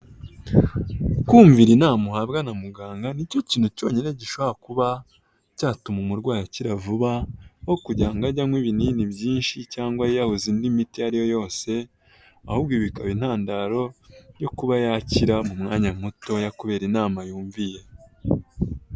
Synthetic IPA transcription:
kuːɱviɾinaːmuhabɡanamuɡaːŋɡanico̞ciːn̥huco̞ːɲine̞ɟiʃoβahakuβa | caːtumumuɾɡwaːjaciɾavuβawo̞kuɟaːŋɡaɟaŋwiːβininiβjiːnʃicaːŋɡwajijahuzindimitijaɾijo̞jo̞ːse̞ | a̰huːbɡwiːβikaβin̥haːndaɾo̞jo̞kuβajaːciɾamumŋaːɲam̥uto̞jakuβe̞ːɾinaːmajuːɱvije̞

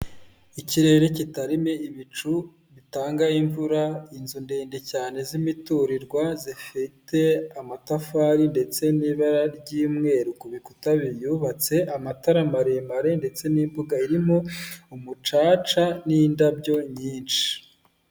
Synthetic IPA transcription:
iciɾe̞ːɾe̞citaɾimeiβit͡ʃu | βitaːŋɡaiɱvuɾainzundeːndecaːne̞zimituɾiɾɡwazifite̞amatafaːɾinde̞t͡se̞niːβaɾaɾɟiːmŋe̞ːɾukuβikutaβijuːβat͡se̞ʔamataɾamaɾemaɾe̞nde̞t͡se̞niːmbuɡaiɾimo̞umut͡ʃaːt͡ʃanindabɟo̞ɲiːnt͡ʃi̥

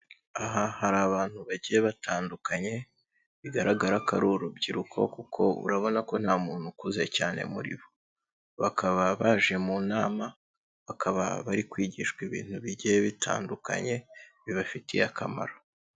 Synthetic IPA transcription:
aɦahaɾaːβaːn̥huβaɟijeβatʰaːndukʰaɲe̞ | βiɡaɾaɡaɾakaɾuɾubɟiɾukʰo̞̰kukʰo̞ṵɾaβo̞nako̞n̥haːmuːn̥hukuze̞caːne̞̰muɾḭβo | βakaβaβaʒe̞munaːma | βakʰaβa̰βaɾikwiːɟiʃkwiβḭːn̥huβiɟijeβitʰa̰ːndukʰa̰ɲe̞βiβafitijakʰama̰ɾa

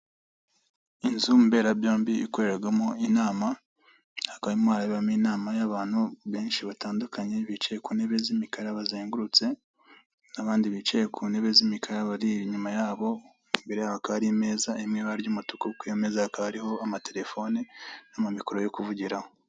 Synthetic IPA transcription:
inzumbe̞ːɾabjo̞ːmbiiko̞ɾe̞ɾaɡamoinaːma | hakaβimwaːɾaβiβaminaːmajaβaːn̥huβe̞ːnʃiβataːndukaɲe̞βit͡ʃejekuːne̞βe̞zimikaɾaβazeːŋɡuɾut͡se̞ | naβaːndiβit͡ʃejekʰune̞βe̞zimikʰaɾaβaɾiɲumajaːβo̞ | mbe̞ɾe̞jaβakaaɾime̞ːzaemŋeβaɾɟumutukukweemezahakaβaɾiho̞amate̞ɾe̞fo̞nenamumikoɾo̞jokuvuɟiɾaho̞

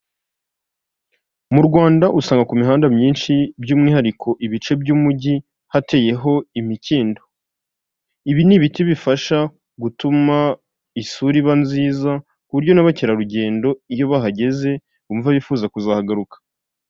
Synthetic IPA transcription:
muɾɡwaːndaʔusaːŋɡakumiɦaːndamɲiːnʃibjuːmŋiːhaɾikʰo̞ʔiβit͡ʃe̞bjuːmuɟi | hate̞ːje̞ɦo̞imiciːndo̞ | iβiniβitiβifaʃa | ɡutuma | isuɾiβanziːza | kuβuɾɟo̞naβaceɾaɾuɟe̞ːndo̞ijo̞βaɦaɟe̞ze̞ | uːɱvaβifuːzakuzahaɡaɾukḁ

